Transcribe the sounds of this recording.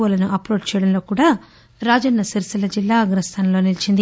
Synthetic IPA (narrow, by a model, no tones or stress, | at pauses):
ɐlɐnuʔɐpɾoːt͡ʃt͡ʃɛːjɐɽɐnlo̞ːkuːɽaː | ɾaːd͡ʒɐnːɐsiɾsilɐd͡ʒilːaːɐɡɾɐst̪ʰaːnɐlo̞ːnilit͡ʃind̪i